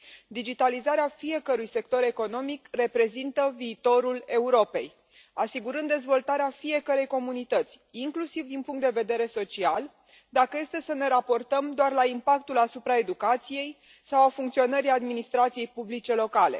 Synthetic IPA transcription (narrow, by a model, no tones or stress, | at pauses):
d̪id͡ʒit̪alizaɾeafije̞kəɾujse̞k̚t̪o̞ɾe̞ko̞no̞mikre̞pɾe̞zint̪əviːt̪o̞ɾule̞uɾo̞pe̞̰j | asiɡuɾɨnd̪e̞zvo̞lt̪aɾeafije̞kəɾe̞jko̞munit̪ət̪sʲiŋklusivd̪inpuŋkt̪d̪eve̞d̪e̞ɾe̞so̞t͡ʃial | d̪akəje̞st̪e̞səne̞ɾapo̞rt̪əmd̪oarlaimpak̚t̪ulasupɾae̞d̪ukat̪sije̞j | sawafuŋkt̪sio̞nəɾiad̪minist̪ɾat̪sije̞jpublit͡ʃe̞lo̞kale̞̰